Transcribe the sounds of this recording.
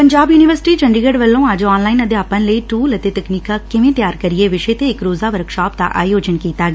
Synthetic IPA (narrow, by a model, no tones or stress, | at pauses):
pəɲd͡ʒaːbjuːniʋəɾsɪ̥ʈiːt͡ʃə̃ɳɖɾiːɡəɖʋəlːõaːd͡ʒɔːnlaːinəd̪eaːpə̃nləiːʈuːlɐt̪et̪əkniːkakɪʋẽːt̪jaːɾkəɾieʋɪʃet̪eɪkɾoːzaːʋəɾkʃaːp̚d̪a̰ʔa̰ːjoːd͡ʒənkiːt̪aːɡeː